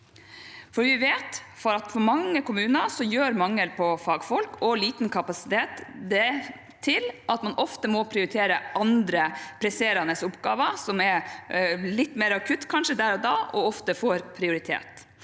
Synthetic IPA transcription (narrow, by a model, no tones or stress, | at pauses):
fɔɾʋɪʋeːt̪fɔɾɑt̪fɔɾmɑŋːəkʊmʉːnɑsɔjøːɾmɑŋːəlpʰɔfɑːɡfɔlkʰɔliːt̪ənkʰɑpɑsɪ̥t̪ʰeːt̪d̪ɛː | ɪlʔɑt̪mɑnʔɔft̪əmɔpʰɾɪʊɾɪt̪ʰeːɾəʔɑnd̪ɾəpʰɾɛseːɾɑnəsʊpɡɑːʋɑsɔmɛ | lɪt̪ːmeːɾɑkʰʉt̪ːkʰɑnʂəd̪æːɾɔd̪ɑːʔɔɔft̪əfoːɾpʰɾɪʊɾɪt̪ʰḛːt̪